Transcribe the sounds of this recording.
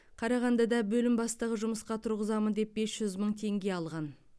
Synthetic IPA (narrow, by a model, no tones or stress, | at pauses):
qʰɑɾɑʁɑnd̪ɑd̪ɑbɵlɪmbɑst̪əʁəʒʊməsqɑt̪ʰʊɾʁəzɑmənd̪e̞p̚be̞sʒ̥ʏzməɴt̪ʰe̞ŋɡʲe̞ɑlˠʁɑn